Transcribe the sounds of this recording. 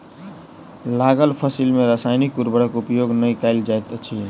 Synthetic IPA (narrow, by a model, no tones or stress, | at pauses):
laɡəlpʰəsilmeɾəsajnikuɾbəɽəkupjoɡnəjkaɪld͡ʒajt̪t͡ʃʰi